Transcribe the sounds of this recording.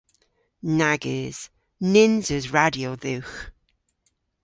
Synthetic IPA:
naɡɪz̥ | nɪnzəzɹadioðʉx

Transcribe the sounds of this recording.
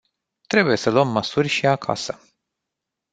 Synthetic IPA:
t̪ɾe̞buje̞səluəmːəsurʲʃiakʰa̰sə

